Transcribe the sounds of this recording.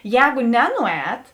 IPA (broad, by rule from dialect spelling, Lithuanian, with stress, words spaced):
ˈjɛːɡʊ ˈnʲæːnʊˌɛːt